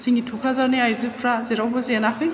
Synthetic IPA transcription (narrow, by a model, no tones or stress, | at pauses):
sʰiŋitʰukʰɾazaɾniajzɯpʰɾazeɾawbɯzenakʰɯŋ